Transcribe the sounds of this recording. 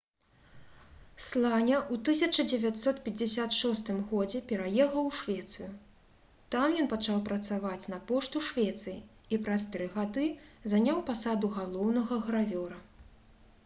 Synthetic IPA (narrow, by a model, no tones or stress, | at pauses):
slˠanʲɐʔut̪ɨsʲɐt͡ʂɐd͡zʲɛvʲat̪sɔt̪pʲɛd͡zʲɛsʲat̪ʂɔst̪ɨmɣɔd͡zʲɛpʲɛɾajɛxɐwʂvʲɛt̪sɨju | t̪amjɔnpat͡ʂawpɾɐt̪savat͡sʲnɐpɔʂt̪uʂvʲɛt̪sɨji | ipɾɐst̪ɾɨɣad̪ɨzanʲawpasad̪uɣalˠɔwnɐɣɐɣɾavʲɔɾɐ